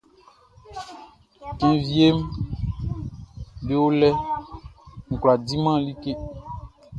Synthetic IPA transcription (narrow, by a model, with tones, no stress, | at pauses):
kẽ˨vi˦e˦m | be˦wo˦lɛ˦ | ŋ̩̃˨kla˨di˦mã˦li˦ke˦